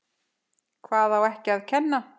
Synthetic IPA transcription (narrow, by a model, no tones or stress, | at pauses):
kʰvaːθawɛhcɪaðcʰɛnːa